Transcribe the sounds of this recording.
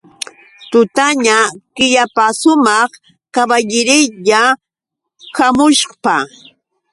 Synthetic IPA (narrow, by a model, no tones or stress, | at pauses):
t̪ʊt̪aɲakɪʎapasʊmɑχ | kabaʎɪɾɪʎa | kamʊʃpa